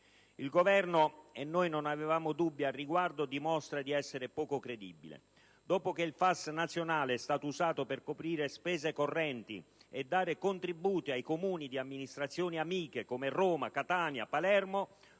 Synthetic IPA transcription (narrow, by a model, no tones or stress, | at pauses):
ilɡovɛrnoenːojnonavevaːmod̪ubːjaːrːiɡward̪od̪imɔst̪ɾad̪iɛsːeɾepɔːkokɾed̪ḭbːḭlḛ | d̪ɔːpok̟eilfasnat̪sːjonaːleɛst̪aːt̪ouzaːt̪operkopɾiːɾespɛːzekorːɛnt̪ḭɛd̪ːaːɾekont̪ɾibuːt̪iajkomuːnid̪iamːinist̪ɾat̪sːjoːniamiːkekomerɔːmakat̪aːnjapalɛrmo